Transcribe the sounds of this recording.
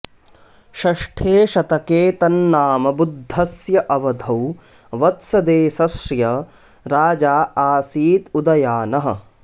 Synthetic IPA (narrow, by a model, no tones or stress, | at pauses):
ʃɐʂʈʰeːʃɐt̪ɐkeːt̪ɐnːaːmɐbud̪ʱːɐsjɐʔɐʋɐd̪ʱɐw | ʋɐt̪sɐd̪eːsɐsɾjɐ | ɾaːd͡ʒaːaːsiːt̪ud̪ɐjaːnɐɦɐ̰̆